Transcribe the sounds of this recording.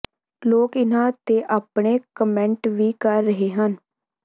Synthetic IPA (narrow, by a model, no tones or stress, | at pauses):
loːkɪnãːt̪eːʔaːpɳeːkəmɛ̃ɳʈʋiːkəɾːəɦeːɦən